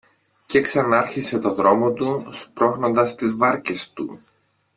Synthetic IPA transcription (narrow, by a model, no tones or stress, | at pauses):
ce̞ksɐnɐɐɾçise̞t̪o̞ðɾo̞mo̞t̪uspɾo̞xno̞nd̪ɐst̪izvɐɾce̞st̪ṵ